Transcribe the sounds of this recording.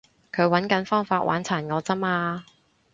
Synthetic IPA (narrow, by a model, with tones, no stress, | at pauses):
kʰɵ˨˧ɥwɐ˨˥nkɐ˨˥nfɔː˥ŋfaː˧t̚wʔa̰ː˨˥nt͡sʰaː˨˩nŋɔː˨˧t͡sɐ˥maː˧